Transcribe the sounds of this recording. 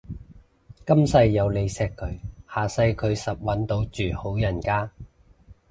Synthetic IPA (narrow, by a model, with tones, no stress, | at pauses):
kɐ˥msɐ˧jːɐ˨˧wle˨˧jsɛː˧kʰːɵ˨˧ɥhaː˨sɐ˧jkʰɵ˨˧ɥsɐ˨p̚wɐ˨˥nt̪o˨˥wt͡ʃyː˨ho˨˥wjɐ˨˩nkaː˥